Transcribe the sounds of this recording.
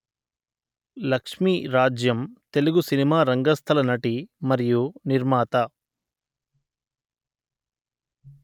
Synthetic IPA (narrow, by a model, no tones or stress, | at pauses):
lɐkʂmiːɾaːd͡ʒjɐmt̪e̞luɡusinimaːɾɐŋɡɐst̪ʰɐlɐnɐʈimɐɾijuniɾmaːt̪ɐ